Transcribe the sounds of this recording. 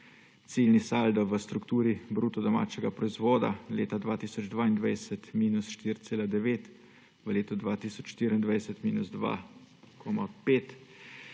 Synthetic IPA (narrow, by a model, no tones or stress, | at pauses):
t̪silnisald̪ɔʋəst̪ɾukt̪uːɾibɾuːt̪ɔd̪ɔma̰ːt͡ʃɛɡapɾɔizʋɔːd̪a̰lḛːt̪ad̪ʋaːt̪iːsɔd͡ʒd̪ʋaːind̪ʋajsət̪miːnusʃt̪iɾt̪seːlad̪ɛʋeːt̪ | ʋəleːt̪ɔd̪ʋaːt̪iːsɔt͡ʃʃt̪iːɾind̪ʋajsɛt̪miːnuzd̪ʋa̰ː | kʰɔːmapeːt̪